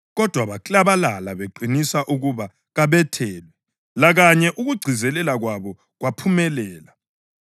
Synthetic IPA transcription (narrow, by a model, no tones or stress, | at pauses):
ɣɔd̥ʱwaβakʼlaβalalaβeǃʱinisaʔuɣuβa | ɣaβɛtʰɛːlwɛ | laɣaɲɛʔuɣuɡ͡ǀʱizɛlɛlaɣwaβɔ | ɣwapʰumɛlɛːla